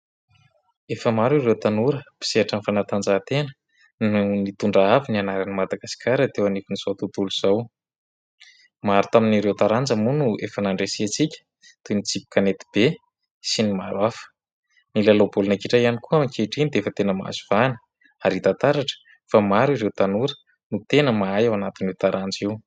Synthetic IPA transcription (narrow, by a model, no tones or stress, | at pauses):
efəmaɾiɾewt̪anuɾəpi̥seaʈ͡ʂanifanat̪and͡zat̪enə̥ | nunit̪uɳɖ͡ʐaavinianaɾanimad̪aɡasi̥kʲaɾət̪ewanefiniz̥owt̪ut̪uluz̥aw | maɾut̪aminiɾewt̪aɾand͡zəmunuefənaɳɖ͡ʐesiat͡sikʲə̥ | t̪unit͡sipi̥kanet̪i̥b̥e | sinimaɾwafə̥ | nilalobulunakiʈ͡ʂajianikuamikʰeʈ͡ʂinid̪eefət̪enəma̰ziv̥anə̥ | aɾit̪at̪aɾaʈ͡ʂə̥ | famaɾiɾewt̪anuɾə | nut̪enəmaajawanat̪inewt̪aɾʔand͡ziw